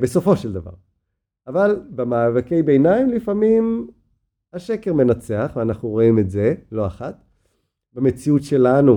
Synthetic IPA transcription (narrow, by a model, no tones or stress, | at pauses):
beso̞fo̞ʃeld̪ava̰ʁ | avalbemaːvakejbejnaimlifamim | aʃe̞keʁme̞nat͡se̞aχveanaχnuʁo̞imetze̞lo̞aχat̪ | bame̞t͡siutʃe̞lanu